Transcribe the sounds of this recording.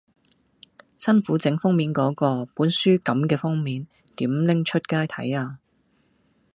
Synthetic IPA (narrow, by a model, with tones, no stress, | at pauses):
sɐ˥nfuː˨˥t͡sɪ˨˥ŋfʊ˥ŋmiː˨˥nkɔː˨˥kɔː˧puː˨˥nsyː˥kɐ˨˥mkɛː˧fʊ˥ŋmiː˨˥n | t̪iː˨˥mlɪ˥ŋt͡ʃʰɵ˥t̚kaː˥jt̪ʰɐ˨˥jaː˧